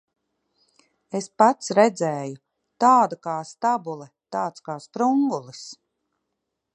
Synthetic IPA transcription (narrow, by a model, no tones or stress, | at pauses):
espat̪sɾɛd̪zɛːju | t̪aːd̪akaːst̪abulˠɛt̪aːt̪skaːspɾuŋɡulˠis